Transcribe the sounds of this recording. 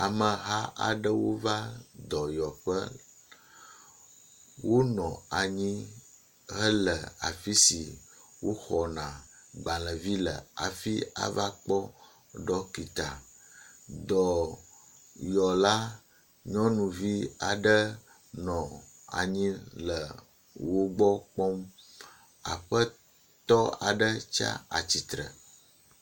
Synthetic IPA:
a˨mə˨ɦa˦ʔa̰˨ɖə˦wo˦va˦d̪ɔ˨jɔ˨ɸə˦ | wo˦nɔ̃˨a˨ɲĩ˦ | ɦə˦lə˨a˨fi˦si˨wo˦xɔ˨nã˨ɡ͡bã˨lə˨vi˦lə˨a˨fi˦a̰˨va˦k͡pɔ˦ | ɖɔ˦ki˨t̪a˨ | d̪ɔ˨ | jɔ˨la˦ | ɲɔ̃˦nũ˨vi˦a˨ɖə˦ | nɔ̃˨ | a̰˨ɲĩ˦lə˨ | wo˦ɡ͡bɔ˦k͡pɔ˦m | a̰˨ɸə˦ | t̪ɔ˦a̰˨ɖə˦t͡ʃa̰˦a̰˨t͡ɕi˨t̪ɾə̰˨

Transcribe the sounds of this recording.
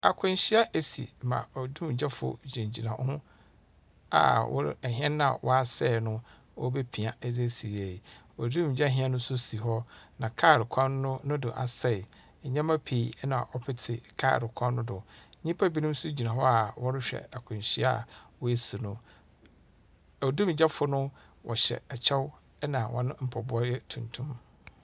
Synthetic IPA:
a˨kʰʊ̃˨n˨ɕɪ˦a˦ʔe˨sḭ˨mã̰˨ɔ˨dũ˦m˨d͡ʑɛ˦fʊ̰˦d͡ʑĩ˨ɲ˨d͡ʑi˨nã˨˦hʊ̃˦ | a̰˨wɔ̰˦ɾɛ˨ɦɛ̃˦nːã˦a̰˨wʔɔ˦a˦˨sɛː˦˨nʊ̃˦ | ɔ˦be˦pʰĩ˨a˨ɛ˦d͡ze˦si˨ɾi˨æ˨ji˨ | ɔ˨dĩ˦m˨d͡ʑɛ˦ɦɪ̃˦ɛ̃˦nʊ̃˦sʊ˦si˨ɦɔ˦nã˨kʰa˦˨ɾɪ˨kʰã˦n˦nʊ̃˦nʊ̃˦dʊ̰˨ʔa̰˨sɛ˨ | ɲɛ̃˦mã˦pʰi˨ɛ˦nã̰˨ʔɔ˦pʰɪ˦tʰɪ˨kʰa̰˦˨ɾɪ˨kʷʰã˦nːʊ̃˦dʊ˨˦ɲĩ˦pʰa˦bi˦nĩ˦m˦sʊ˦d͡ʑi˨nã˨ɦɔ˦a˨wɔ˦ɾɪ˦ɕᶣɛ̰˨a˨kʰʊ̃˨ɕi˦a̰˦˨wɔ˦e˦si˨nʊ̃˨ | ɔ˨dũ˦m˨d͡ʑɛ˦fʊ˨nʊ̃˦ | wʔɔ˨ɕɛ̰˨ɛ˨t͡ɕʰɛ˦w | ɛ˦nã˨wʔɔ̰̃˨nʊ̃˦m̩˨pʰɔ˨bʊ˦ɔ˦ɛ˦tʰũ˨ntʰũ˦m

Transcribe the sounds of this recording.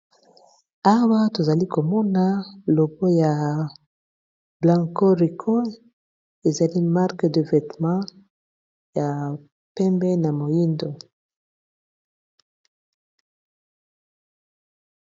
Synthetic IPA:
a˦wa˦to˨za˨li˦ko˨mɔ˦na˦lo˨bo˦ja˨ | blã˨ŋko˦ʁi˨kʰo˦ | e˨za˨li˦ma˦ʁkde˨vɛ˨tmɑ̃˦ | ja˨ | pɛ˦mbɛ˦na˨mo˨ji˦ndo˨

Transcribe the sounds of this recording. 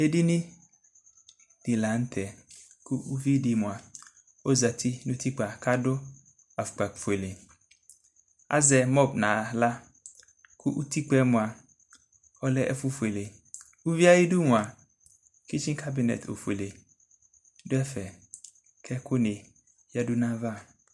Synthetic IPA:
e˦di˦nɪ̃˦ | d̥i˨la˨n̩˦t̪ʰɛ˨ | kʊ˦u˦vi˦di˨mʊ̃˨a˨ | o˦za˨tʰi˦nʊ̃˦tʰi˦k͡pa˨ka˦dʊ˦ | a˨fʊ̥˨k͡pa˨fe˨le˨ | a̰˦zɛ˨mɔ˦bnã˨˦la˦ | kʰʊ˦ʔu˦t̪i˦k͡pɛ˦mʊ̃˨a˨ | ɔ˦lɛ˦ʔɛ̰˦fu˦fe˨le˨ | u˦vi˦a˦ji˦du˦mʊ̃˨a˨ | ki˦t͡ʃi˦kʰa˦bi˨nɛ̰˨to̰˨fe˨le˨ | dʊ˦ɛ˦fɛ˨ | kʰɛ˦kʊ˦ne˨ | ja˦du˦nã˦va˦˨

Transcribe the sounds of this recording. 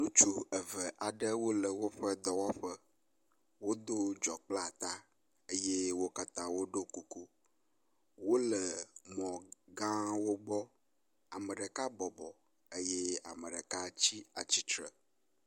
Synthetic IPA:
nũ˦t͡ʃu˨ə˨və˨ʔa˨ɖə˦wo˦lə˨wo˦ɸə˦d̪ɔ˨wɔ˦ɸə˦ | wo˦d̪o˦d͡ʒɔ˨k͡pla˨t̪a˦ | ə˦je˦wo˦ka˦t̪ã˦wo˦ɖo˦ku˨ku˦ | wo˦lə˨mɔ̃˨ɡã˦wo˦ɡ͡bɔ˦ | a˨mə˨ɖə˨ka˦bɔ˨bɔ˨ | ə˦je˦a̰˨mə˨ɖə˨ka˦t͡ɕi˦a˨t͡ɕi˦t͡ʃɾə̰˨

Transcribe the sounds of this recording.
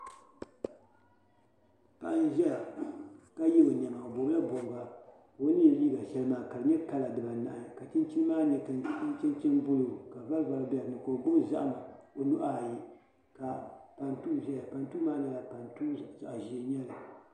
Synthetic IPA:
pa̰˨ʔn˦ʒɛ˦la˨ka˦jɛ˦o˨ɲ˨ɛ˨ma˨o˨bo˨bla˦bo˨ɡa˨ | o˦ni˦˨liː˦ɡa˨ʃɛ˦lɨ˦maː˨ka˨lɨ˨ɲɛ˦ka˦la˨dɨ˨ba˨na̰˨ʔa˨ka˨t͡ʃɪ˦n˦t͡ʃi˦nɨ˦maː˦ɲɛ˨tɨ˨n˦i˦n˦t͡ʃɛ˦nt͡ʃɛ˦nbʊ˦lo˨ka˨va˦lva˨lbɛ˦a˨nɨ˨ko˨bʊ˦m˦za̰˦ʔma˨o˨nu˦ʔa˦˨ji˦ | ka˨pa˨ntuː˦˨ʒɛ˦la˨pa˨n˦tuː˦maː˦na˨ja˨pa˨ntu˦za˨ʔa˨ʒi˨˦ɲɛ˦la˨

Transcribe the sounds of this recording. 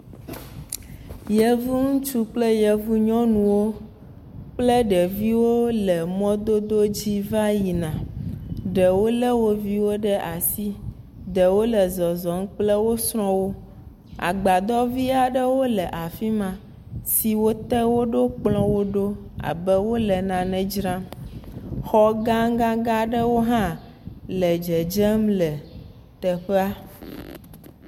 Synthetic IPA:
jɛ˨vu˦ŋũ˦t͡ʃu˦k͡plɛ˦jɛ˨vu˦ɲɔ̃˦nũ˨wo˦ | k͡plɛ˦ɖɛ˨vi˦wo˦lɛ˨mɔ̃˦d̪o˦d̪o˦d͡ʑi˦va˦ji˨nã˨ | ɖɛ˨wo˦lɛ˦wo˦vi˦wo˦ɖɛ˦ʔa˨si˦ | ɖɛ˨wo˦lɛ˨zɔ˨zɔ˨ŋ̩˦k͡plɛ˦wo˦sɾ̃ɔ̃˦wo˦ | a̰˨ɡ͡ba˨d̪ɔ˦vi˦a˨ɖə˦wo˦lɛ˨ʔa˨fi˦mã˨ | si˨wo˦t̪ɛ˦wo˦ɖo˦k͡plɔ̃˦wo˦ɖo˦a̰˨bɛ˦wo˦lɛ˨nã˨nɛ̃˨d͡ʒɾã˦m | xɔ˦ɡã˦ŋ˦ɡã˦ɡa˦ɖə˦wo˦ɦã˦ | lɛ˨d͡ʒɛ˨d͡ʒɛ˦mlɛ˨ | t̪ɛ˨ɸɛ˦a˦

